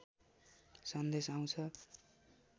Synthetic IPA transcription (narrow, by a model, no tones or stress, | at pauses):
sʌnd̪esaw̃t͡sʰʌ